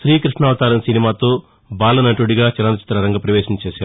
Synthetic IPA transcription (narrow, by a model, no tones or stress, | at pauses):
ʃɾiːkɾiʂɳaːʋɐt̪aːɾɐnsinimaːt̪oː | baːlɐnɐʈuɽiɡaːt͡ʃɐɾant̪ɐt͡ʃi̥t̪ɾɐɾɐŋɡɐpɾɐʋeːʃɐnɐt͡ʃeːʃaːɾu